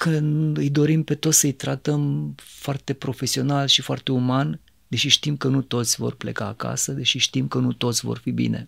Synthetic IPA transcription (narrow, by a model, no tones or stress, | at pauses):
kʰɨnɨjd̪o̞ɾimpe̞t̪osəɨjt̪ɾat̪əmfoart̪e̞pɾo̞fe̞sio̞nalʃifoa̰rt̪e̞uman | d̪eʃiʃt̪imkənut̪o̞t̪sʲvo̰rple̞̰kaːka̰səd̪e̞ʃiʃt̪imkənut̪o̞t̪sʲvo̰rfibḭne̞̰